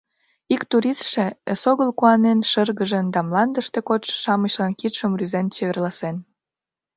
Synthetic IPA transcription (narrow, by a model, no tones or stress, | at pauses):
ikt̪uɾist̪ʃeəsoɣəlkuɑnenʃərɣəʒənd̪ɑmlɑnd̪əʃt̪ekot̪ʃʃɑməɕlɑnkit̪ʃəmryzent͡ɕeβerlɑsen